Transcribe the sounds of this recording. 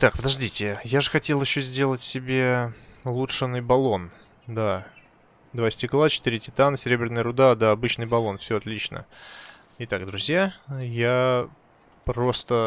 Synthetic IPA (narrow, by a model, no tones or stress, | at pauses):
t̪ak̚pəd̪ɐʐdʲitʲɪjaʐɨxɐtʲe̞lˠjɪɕːozʲdʲe̞lˠətʲsʲɪbʲe̞lˠuʂɨnɨjbɐlˠo̞n | d̪a | d̪vasʲtʲɪklˠat͡ɕɪ̥t̪iɾʲɪtʲɪt̪anəsʲɪɾʲebɾʲɪnəjəɾʊd̪ad̪aɐbɨt͡ɕnɨjbɐlˠo̞nfsʲoɐt̪lʲit͡ɕnə̰ | ɪt̪akd̪ɾʊzʲjaja | pɾo̞st̪ə